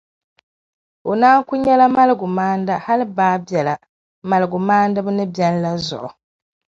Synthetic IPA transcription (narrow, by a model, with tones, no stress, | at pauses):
o˨naː˦ŋku˦ɲa˦la˦ma˦lɨ˨ɡu˨maː˦nda˦ha˦li˦baː˦bɛ˨la˨ | ma˨lɨ˨ɡu˨maː˦ndɨ˦βu˦nɨ˦bjɛ˦n˦la˦zɔ̰˨ʔɔ˨